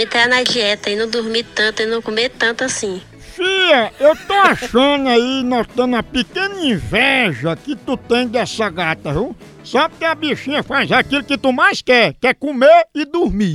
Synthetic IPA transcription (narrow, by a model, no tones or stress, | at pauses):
ẽt̪ɾanɐd͡ʒiɛt̪ɐinɐ̃w̃d̪uɾmit̪ɐ̃t̪ʊinɐ̃w̃komet̪ɐ̃nt̪ʊasĩ | fiʎɐewt̪oaʃɐ̃nʊainot̪ɐ̃nʊɐpekẽnɐĩvɛʒɐkɪt̪ut̪ẽj̃d̪ɛsɐɡat̪ɐɦũ | sabɪkɪɐbeʃĩɲɐfajzakilʊkɪt̪umajskɛkɛkomeɾɪd̪uɾmi